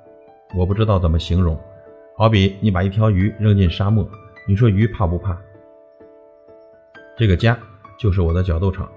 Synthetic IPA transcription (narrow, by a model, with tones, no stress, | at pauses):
wɔ˨˩pu˥˧ʈ͡ʂɻ̩˥t̪ɑ˥˩ʊt͡sə˨˩nmə˦ɕi˧˥ŋɻʊ˧˥ŋ | xɑ˧˥ʊpi˨˥ni˧˥pa˨˩i˥˩t̪ʰjɑ˧˥ʊy˧˥ɻŋt͡ɕi˥˩nʂa˥mɔ˥˩ni˨˩ʂwɔ˥y˧˥pʰa˥˧pu˧˥pʰa˥˩ | ʈ͡ʂɤ˥˩ɡə˩t͡ɕja˥t͡ɕjo˥˧ʊʂ̬ɻ̩˥˩wɔ˨˩ə˥t͡ɕjɑ˨˩ʊt̪o˥˩ʊʈ͡ʂʰɑ̰˨˩˦ŋ